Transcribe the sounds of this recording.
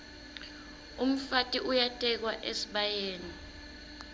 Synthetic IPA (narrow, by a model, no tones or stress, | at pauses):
um̩fatʼiʔujatʼɛk̬waʔesi̥ɓajeːni